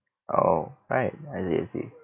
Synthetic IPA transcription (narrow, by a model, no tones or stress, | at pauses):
ʔoʊɹaɪt̚aɪsɛ̰sḭ